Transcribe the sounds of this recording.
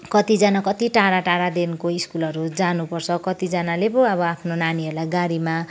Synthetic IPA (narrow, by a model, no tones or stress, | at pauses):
kʌt̪id͡zanakʌt̪iʈaɾaʈaɾad̪enkoiskulʌɾud͡zanupʌrt͡sʰʌkʌt̪id͡zanalebʌ̃ʌbʌapʰnonaniʌɾulajɡaɾima